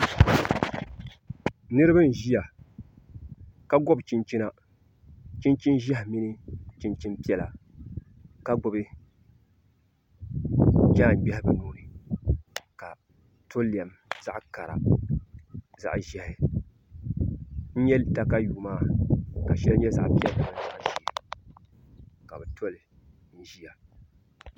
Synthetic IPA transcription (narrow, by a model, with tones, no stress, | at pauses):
nɨ˦ɾɨ˦bɨ˦n˨ʒi˦ja˨ | ka˦ɡɔ˦bt͡ʃi˦nt͡ʃi˦na˦ | t͡ʃi˦nt͡ʃi˦nʒɛ˦hmi˦nɨ˦t͡ʃi˨nt͡ʃi˦npi˦ɛ˦˨la˨ | ka˦ɡɔ˦bɨ˦ | d͡ʒaː˦˨ŋ˨ɡ͡bɛ˦hɪ˦bɨ˨nuː˦nɨ˨ | ka˨ | tʰo˦lːi˨ɛ˨m | z̥a˦ʔka˨ɾa̰˨ | za̰˨ʔʒɛ˨hɪ˨ | n̩˦ɲɛ˦lta˦ka˦juː˨maː˦˨ka˨ʃɛ˦lɲɛ˦za˦ʔpi˦ɛ˦la˨nɨ˨˦za̰˦ʔʒɛ˨˦˨ | ka˨bɛ˨tʰo˦lɪ˨ | n̩˦ʒi˦ja˨